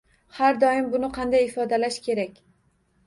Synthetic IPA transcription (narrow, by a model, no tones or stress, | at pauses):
haɾd̪ɒɪmbʊnɪqʰɑnd̪ajɪfɒd̪alaʃkʲʰe̞ɾakʲ